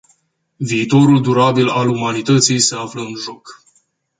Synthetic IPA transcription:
viːt̪o̞ɾuld̪uɾabilalumanit̪ət̪sijse̞afləɨnʒo̞k

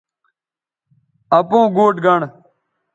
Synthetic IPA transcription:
əpõːɡoːʈɡəɳ

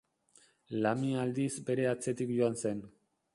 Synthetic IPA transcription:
lamiald̪izbe̞ɾe̞at͡se̞t̪ikʝoanse̞n

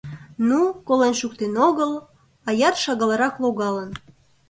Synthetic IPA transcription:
nukolenʃukt̪enoɣəl | ɑjɑt̪ʃɑɣɑlɑɾɑkloɣɑlən

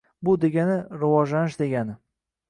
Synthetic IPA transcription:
bʊd̪e̞ɡʲanɪɾɪvɒʒlanɪʃd̪e̞ɡʲanɪ

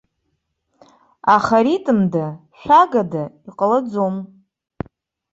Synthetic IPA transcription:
aχaɾitʼɨmdaʃʷᶣaɡadaiqʼəlad͡zom

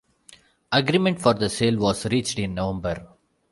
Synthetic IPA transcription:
ɐɡɾiːmɛ̃ɳʈfɔːɾd̪əseːlʋɔːzɾiːt͡ʃʈɪ̃nːoʋɛ̃mbəɾ

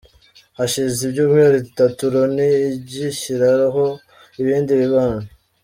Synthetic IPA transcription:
haʃizibɟuːmŋeɾitatuɾoniɟiʃiɾaɾaɦo̞ | iβiːndiβiβaːna

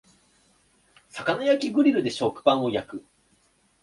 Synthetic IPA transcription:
sakanajakʲiɡɯ̟ɾʲiɾɯ̟d̪e̞ɕo̞kɯ̥pãɰ̃o̞jakɯ̟

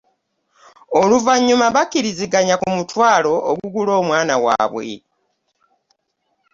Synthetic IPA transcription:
oluvaɲːumaβakːiɾiziɡaɲakumutwaːlo̞ʔːɡuɡulo̞ːmwaːnawa̰ːβwe̞̰

